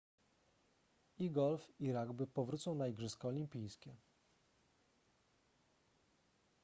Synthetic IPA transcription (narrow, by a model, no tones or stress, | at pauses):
iɡɔlfiɾaɡbɘpɔvɾut̪sɔ̃w̃naiɡʐɘskaɔlʲimpʲijskʲɛ